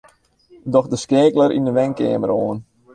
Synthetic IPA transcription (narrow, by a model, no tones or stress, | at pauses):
dɔxdəskeːkləɾʔḭndəʋɛŋkḛːməɾoːən